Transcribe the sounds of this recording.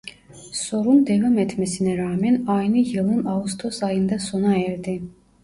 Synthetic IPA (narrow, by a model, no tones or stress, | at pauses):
sɔɾund̪ɛvamɛt̪ʰmɛsinɛɾaːmɛnajnijilˠunaust̪ʰɔsajind̪asɔnaɛɾd̪i